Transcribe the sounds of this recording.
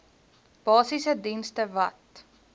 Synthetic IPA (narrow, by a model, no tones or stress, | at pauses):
b̥ɑːsisədinstəvɐt